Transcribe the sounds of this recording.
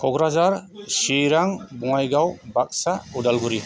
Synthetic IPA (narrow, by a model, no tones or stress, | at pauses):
kʰɔɡɾazaɾsiɾaŋbuŋajɡawbak̚saudalɡuɾi